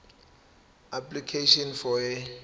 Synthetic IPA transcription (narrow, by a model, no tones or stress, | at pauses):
aplikʰeʃɔnfɔɛ